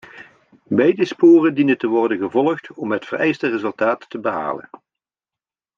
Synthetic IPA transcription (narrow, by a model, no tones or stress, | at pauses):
bɛjdəspoːrəndinəntəʋɔrdənɣəvɔlˠəχtɔmɦətfərɛ̰jstərezɵlˠtaːtːəbəɦa̰ːlə̰n